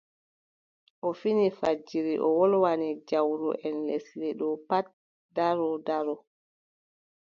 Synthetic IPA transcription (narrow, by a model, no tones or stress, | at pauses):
ʔɔfinifad͡ʒiɾiʔɔ̰wɔlwanid͡ʒawɾṵʔɛnlesilɛɗɔpat̚ | daɾɔdaɾɔ